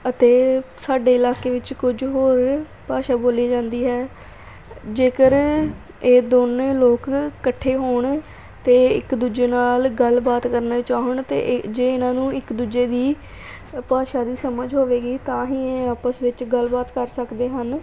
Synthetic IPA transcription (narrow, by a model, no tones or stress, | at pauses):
ət̪eː | saːɖeːɪlaːkeːʋɪt͡ʃkʊd͡ʒɦoːɾ | paːʃaːboːliːd͡ʒãːnd̪iːɦɛː | d͡ʒeːkəɾ | eːd̪oːnẽːloːkːəʈʰːeːɦoːɳ | t̪eːɪ̰kd̪uːd͡ʒeːnaːlɡəlbaːt̪kəɾnãt͡ʃaːəɳt̪ḛːd͡ʒeːɪnãːnũːɪkd̪uːd͡ʒeːd̪iː | paːʃaːd̪iːsəməd͡ʒɦoːʋeːɡiːt̪ãːɦĩːeaːpəsʋɪt͡ʃɡəlbaːt̪kəɾsəkd̪eːɦən